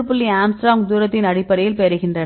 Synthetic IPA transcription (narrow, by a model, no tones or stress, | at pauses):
ɯpːɯɭːiaːmsɾaːŋd̪uːɾɐt̪ːɪnɐɽɪpːɐɾɐjɪlpeɾɯɣɪndrɐn